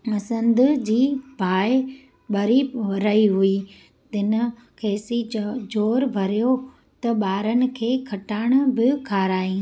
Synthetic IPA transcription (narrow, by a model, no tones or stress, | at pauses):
mɐsə̃nd̪ʊd͡ʑiːbʱaːɪ | ɓɐɾiɐɾɐiɦʊi | t̪ɪn̆ | kʰeːsid͡ʑoːɾbʱɐɾijo | t̪ɐɓaːɾənɪ̆kʰeːkʰɐʈaːɽ̃ʊ̆bɪkʰaːɾaːĩː